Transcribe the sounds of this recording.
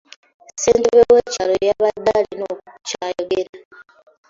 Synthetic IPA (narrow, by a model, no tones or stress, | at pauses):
sentβewet͡ʃalojaβad̪alinot͡ʃajoɡeɾa